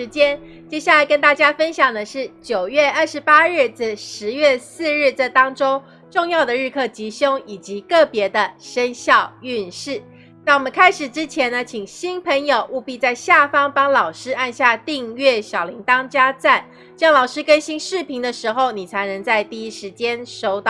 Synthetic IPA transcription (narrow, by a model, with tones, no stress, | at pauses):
ɻ̩˧˥t͡ɕjɛ˥n | t͡ɕjɛ˥˧ɕja˥˩la˧˥ɪkə˥nt̪a˥˩t͡ɕja˥fə˥nɕjɑ˨˩ŋd̪ə˦ʂɻ̩˥˩t͡ɕjo˨˩ʊɥɛ˥˧ə˥˩ʂɻ̩˧˥pa˥ɻɻ̩˥˩t͡s̩˥˧˩ʂɻ̩˧˥ɥɛ˥˧sɹ̩˥˧ɻ̩˥˩t͡sa˥˩t̪ɑ˥ŋʈ͡ʂo˥ʊ | ʈ͡ʂʊ˥˧ŋjɑ˥˩ʊd̪ə˩ɻ̩˥˧kʰɤ˥˩t͡ɕi˧˥ɕjo˥ŋi˨˩t͡ɕi˧˥kɤ˥˩pjɛ˧˥d̪ə˧ʂə˥nɕjɑ˥˧ʊy˥˧nʂɻ̩˥˩ | na˥˩wɔ˨˩mə˦nkʰa˥ɪʂɻ̩˨˩ʈ͡ʂɻ̩˥t͡ɕʰjɛ˧˥nnə˧t͡ɕʰi˨˩ŋɕi˥npʰə˧˥ŋjo˨˩ʊʔu˥˧pi˥˧t͡sa˥˧ɪɕja˥˩fɑ˥ŋpɑ˥ŋlɑ˨˩ʊʂɻ̩˥a˥˧nɕja˥˧t̪i˥˧ŋɥɛ˥˩ɕjɑ˨˩ʊli˧˥ŋt̪ɑ˥ŋt͡ɕja˥t͡sa˥˩n | t͡ɕjɑ˥ŋlɑ˨˩ʊʂɻ̩˥kə˥nɕi˥nʂɻ̩˥˩pʰi˧˥ŋd̪ə˧ʂɻ̩˧˥xo˧ʊni˨˩t͡sʰa˧˥ɪnɤ˧˥ŋt͡sa˥˧ɪt̪i˥˩i˥ʂɻ̩˧˥t͡ɕjɛ˥nʂo˥ʊt̪ɑ˥˨˩